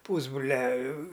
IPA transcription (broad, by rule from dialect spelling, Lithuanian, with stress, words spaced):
ˈpuːzbrʊlʲɛ